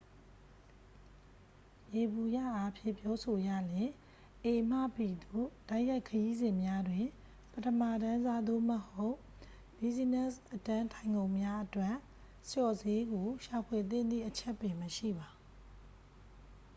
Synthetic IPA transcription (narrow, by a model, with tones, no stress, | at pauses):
je˨bu˨jä̰˦˨ʔa˦pʰjɪ̰̃˦˨pjɔ˦so˨jä̰˦˨ljɪ̃˨ | ʔe˨ʔm̥ä̰˦˨pi˨d̪o˦˨d̥a˦ɪʔja˦ɪkʰːəji˦zɪ̃˨mja˦dwɪ̃˨ | pətʰəma˦˨dã˦za˦d̪o̰˦˨məho˦ʊ | b̥i˦˨zi˦˨nɛ˦˨sʔətã˦ntʰã˨ɪ̃ŋɡõ˨ʊ̃mja˦ʔətwɛ˦ʔ | sjɔ˨ze˦ɡo˨ʃa˨pʰwe˨t̪̬ɪ̰̃˦˨nd̪ðḭ˦˨ʔət͡ɕʰɛ˦˨pːɪ̃˨məʃḭ˦˨ba˨